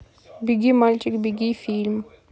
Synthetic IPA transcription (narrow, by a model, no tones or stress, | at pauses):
biɡimalt͡ʃikbiɡifilm